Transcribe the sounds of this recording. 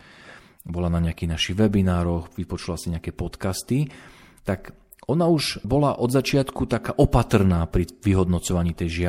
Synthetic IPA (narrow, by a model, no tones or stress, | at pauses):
bɔlanaɲɛakinaʃiʋɛbinaːɾɔxʋipɔt͡ʃulasiɲɛakɛpɔt̪kast̪i | t̪ak | ɔnauʒbɔlaʔɔd̪zat͡ʃɪat̪kut̪akaːʔɔpat̪r̩naːpɾiʋiɦɔd̪nɔt͡sɔʋaɲiːt̪ɛjʒɪa